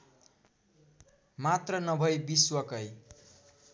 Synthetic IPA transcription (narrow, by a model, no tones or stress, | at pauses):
mat̪rʌnʌbʱʌjbiswʌkʌj